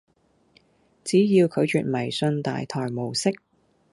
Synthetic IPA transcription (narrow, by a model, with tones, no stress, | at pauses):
t͡siː˨˥jiː˧wkʰɵ˨˧ɥt͡ʃyː˨t̚mɐ˨˩jsɵ˧nt̪a̰ː˨jt̪ʰɔː˨˩jmo˨˩wsɪ˥k̚